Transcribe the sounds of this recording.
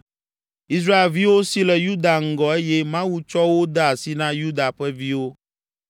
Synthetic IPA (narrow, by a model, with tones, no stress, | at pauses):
i˦s̬ɾa˦e˨lvi˦wo˦si˦lɛ˨ju˦d̪a˨ŋ̩˦ɡɔ˨e˦jɛ˦mã˦wu˦t͡ʃɔ˦wo˦d̪ɛ˦a˨si˦nã˦ju˦d̪a˨ɸɛ˦vi˦wo˦